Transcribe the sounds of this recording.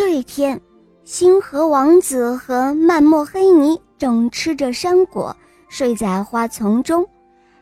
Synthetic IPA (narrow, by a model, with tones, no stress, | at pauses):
we˥˩ɪt̪ʰjɛ˥n | ɕi˥nxɤ˧˥wɑ˧˥ŋt͡sɹ̩˨˩xɤ˧˥ma˥˧nmwɔ˥˩xe˥ɪni˧˥ʈ͡ʂɤ˨˩ŋʈ͡ʂʰɻ̩˥ʈ͡ʂə˨ʂa˥nkwɔ̰˨˩˦ | ʂwe˥˧ɪt͡sa˥˩ɪxwa˥t͡sʰʊ˧˥ŋʈ͡ʂʊ˥ŋ